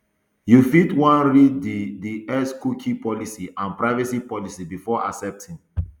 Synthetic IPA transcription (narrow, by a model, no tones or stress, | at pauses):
jufitwãnɹididiɛskukʰipɔlisiʔãnpɹaɪvɛsipɔlisibifɔʔa̰sɛp̚tʰĩŋ